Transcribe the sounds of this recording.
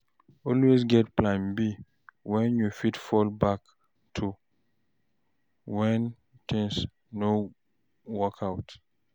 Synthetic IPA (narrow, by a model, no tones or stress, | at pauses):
ɔlwezɡɛtplãɪ̃mbi | wɛ̃njufitfɔlbak | tʰu | wɛ̃n | t̪ĩŋs | no | wɔkʰaʊt